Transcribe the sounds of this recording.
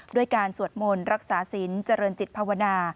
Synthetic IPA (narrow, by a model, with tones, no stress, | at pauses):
du˥˩əjkaː˧nsu˨˩ət̪̚mo˧nɾa˦˥k̚saː˩˦si˩˦nt͡ɕa˧ɾɤː˧nt͡ɕi˨˩t̪̚pʰaː˧wa˧naː˧